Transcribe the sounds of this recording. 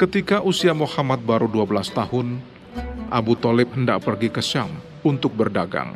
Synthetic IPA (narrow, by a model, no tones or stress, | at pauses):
kət̪ikaʔusiamohamat̪̚baɾuduabəlast̪ahʊn | ʔa̰but̪ɔlɪp̚hənda̰ʔ̚pərɡikəsa̰m | unt̪ʊk̚bərdaɡa̰ŋ